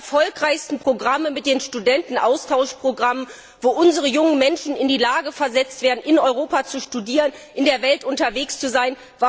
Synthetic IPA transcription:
ɐfɔlkʁ̥aɪçstn̩pʁ̥oɡʁaməmɪt̚d̥eːnʃtudɛntn̩ʔaʊstʰaʊʃpʁ̥oɡʁamən | voːʔʊnzəʁəjʊŋənmɛnʃn̩ɪndiːlaːɡəfɛɐzɛt͡stv̥eːɐdn̩ʔɪnɔʏʁoːpat͡suʃtudiːʁənʔɪndeːɐvɛltʔʊntɐveːkst͡suzaɪn | va

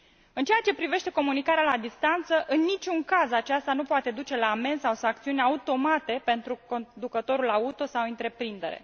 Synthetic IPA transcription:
ɨnt͡ʃejat͡ʃe̞pɾive̞ʃt̪e̞ko̞munikaɾealad̪ist̪ant̪səʔɨnːit͡ʃʲuŋkazat͡ʃast̪anupoat̪e̞d̪ut͡ʃe̞laːme̞nsawsaŋkt̪siunʲaut̪o̞mat̪e̞pe̞nt̪ɾuko̞nd̪ukət̪o̞ɾulaut̪o̞sawɨnt̪ɾe̞pɾind̪e̞ɾe̞̰

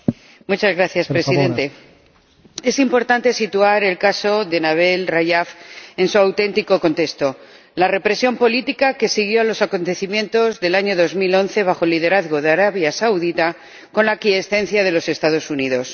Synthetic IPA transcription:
mut͡ʃazɣɾaθjaspɾesiðe̞nt̪e̞ | e̞simpo̞ɾt̪ant̪e̞sit̪uaɾe̞lkaso̞ðe̞naβ̞e̞lrajafe̞nsuawt̪e̞nt̪iko̞ko̞nt̪e̞st̪o̞ | lare̞pɾe̞sjo̞mpo̞lit̪ikake̞siɣ̞jo̞alo̞sako̞nt̪e̞θimjẽ̞nt̪o̞zðe̞laɲo̞ðo̞zmilo̞nθe̞β̞axolːið̞e̞ɾaðɣo̞ðeaɾaβjasawðit̪a | ko̞nlakiesθẽ̞n̟θjaðe̞lo̞se̞st̪aðo̞suniðo̞s

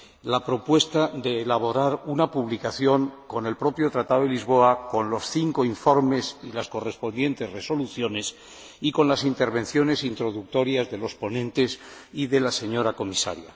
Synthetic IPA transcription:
lapɾo̞pwe̞st̪ad̪e̞ːlaβ̞o̞ɾaɾunapuβlikaθjo̞ŋko̞nelpɾo̞pjo̞t̪ɾat̪aðoelizβ̞o̞ako̞nlo̞sθiŋkoiɱfo̞ɾme̞silasko̞re̞spo̞nd̪je̞nt̪e̞zre̞so̞luθjo̞ne̞s | iko̞nlasint̪e̞ɾβẽ̞nθjo̞ne̞sint̪ɾo̞ðuk̚t̪o̞ɾjazðe̞lo̞spo̞nẽ̞nt̪e̞siðe̞lase̞ɲo̞ɾako̞misa̰ɾja̰

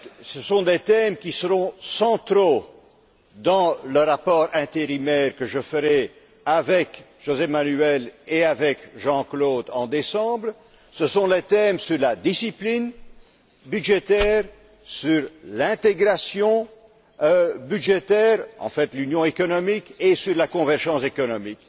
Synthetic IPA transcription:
səsɔ̃d̪et̪ɛmkʲisəʁɔ̃sɑ̃t̪ɾo | d̪ɑ̃ləʁapɔʁɛ̃t̪eʁimɛːʁkəʒəfəʁɛ | avɛkʒ̥ozɛmanyɛleavɛkʒɑ̃kloːd̪ɑ̰̃d̪esɑ̃bl | səsɔ̃let̪ɛmsyʁlad̪isiplin | byd̪ʒet̪ɛːʁ | syʁlɛ̃t̪eɡʁasjɔ̃ | øbyd̪ʒet̪ɛːʁɑ̰̃fɛt̪lynjɔ̃ekɔnɔmikesyʁlakɔ̃vɛʁʒɑ̃sekɔnɔmik

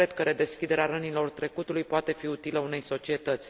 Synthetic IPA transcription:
ɾed̪̚kəɾed̪e̞skʲid̪e̞ɾeaɾənilo̞rt̪ɾe̞kut̪ulujpoat̪e̞fiut̪iləune̞jso̞t͡ʃie̞t̪ət̪sʲ

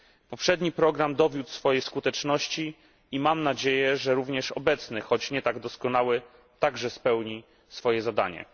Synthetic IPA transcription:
pɔpʂɛd̪ɲipɾɔɡɾamd̪ɔvʲjut̪sfɔjejskut̪ɛt͡ʂnɔɕt͡ɕi | imamnad͡ʑejɛʐɛɾuvɲɛʂɔbɛt̪snɘxɔt͡ɕɲɛt̪aɡd̪ɔskɔnawɘ | t̪aɡʐɛspɛwɲi | sfɔjɛzad̪a̰ɲɛ̰

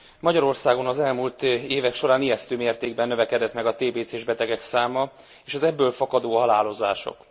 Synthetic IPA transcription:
mɒɟɒɾo̞rsaːɡo̞nɒzɛlmult̪eːvɛkʃo̞ɾaːnijɛst̪øːmeːrt̪eːɡbɛnːøvɛkɛd̪ɛt̪mɛɡɒt̪eːbeːt̪seːʒbɛt̪ɛɡɛksaːmɒ | eːʃɒzɛbːøːlfɒkɒd̪oːɦɒlaːlo̞za̰ːʃo̰k

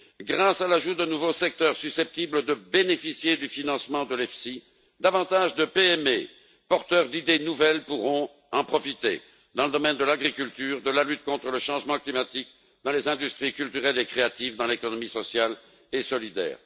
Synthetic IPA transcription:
ɡʁasalaʒud̪ənuvosɛk̚t̪œʁsysɛp̚t̪ibləd̪əbenefisjed̪yfinɑ̃smɑ̃d̪əlɛfsi | d̪avɑ̃t̪aʒd̪əpeɛme | pɔʁt̪œʁd̪id̪enuvɛlpuʁɔ̃ | ɑ̃pχɔfit̪ḛ | d̪ɑ̃ləd̪ɔmɛnd̪əlaɡʁikʲylt̪yːʁd̪əlalyt̪̚kɔ̃t̪χələʃɑ̃ʒmɑ̃klimat̪ik | d̪ɑ̃lezɛ̃d̪yst̪χikʲylt̪yʁɛlekχeat̪ivd̪ɑ̃lekɔnɔmisɔsjal | esɔlid̪ɛ̰ːʁ

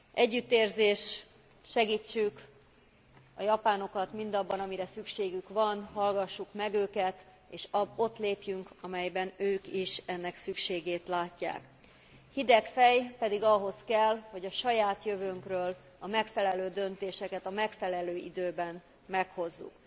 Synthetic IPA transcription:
ʔɛɟːyt̪ːeːrzeːʃt | ʃɛɡiːt͡ʃːyk | ɒjɒpaːno̞kɒt̪mind̪ɒbːɒnɒmiɾɛsykʃeːɡykvɒnɦɒlɡɒʃːukmɛɡøːkɛt̪ | eːʃɒbo̞t̪leːpjyŋkɒmɛjbɛnøːkiʃɛnːɛksykʃeːɡeːt̪laːcːa̰ːk | hid̪ɛkfɛjpɛd̪iɡɒɦo̞skɛlho̞ɟɒʃɒjaːt̪jøvøŋkrøːl | ɒmɛkfɛlɛløːd̪ø̞nt̪eːʃɛkɛt̪ɒmɛkfɛlɛløːḭd̪øːbɛn | mɛkho̞zːṵk

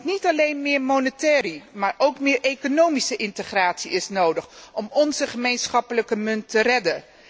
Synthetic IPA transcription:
nitɑlejnmɪːɹmownətɛːrimaːɹʔowkmɪːɹejkonowmisəʔɪntəχraːtsiɪsnowdəχʔɔmɔnzəχəmejnsχɑpələkəmɵntːərɛdə

